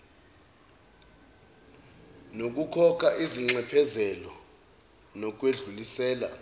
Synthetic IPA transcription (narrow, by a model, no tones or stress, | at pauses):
nok̬ʼukʰɔk̬ʰʼaʔiziŋ͡ǀɛpʰɛzɛlɔ | nɔk̬weɮulisɛːla̰